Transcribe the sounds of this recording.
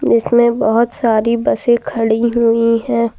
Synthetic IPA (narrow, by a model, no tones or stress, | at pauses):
d͡ʒɪsmẽbɐɦʊt̪saːɾibɐsẽkʰɐɽiɦʊiɦɛ̃ː